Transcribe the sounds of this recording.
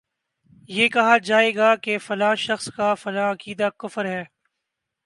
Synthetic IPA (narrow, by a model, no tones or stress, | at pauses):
jeːkɐɦad͡ʒaːeːɡaːkefɐlaːʃɐxskafɐlaːɐkiːd̪akʊfəɾɦɛː